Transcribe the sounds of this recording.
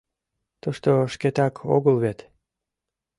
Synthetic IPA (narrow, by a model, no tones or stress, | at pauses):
t̪uʃt̪oʃket̪ɑkʰo̰ɣəlβet̪